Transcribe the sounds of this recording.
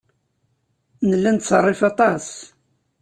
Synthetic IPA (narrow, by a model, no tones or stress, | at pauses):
nəlːænt̪sərˤːefɑt̪ˤɑs